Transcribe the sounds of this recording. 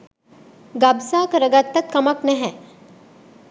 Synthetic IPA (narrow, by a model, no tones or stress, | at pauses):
ɡabsaːkəɾəɡat̪ːɐt̪̚kɐmɐknɛɦɛ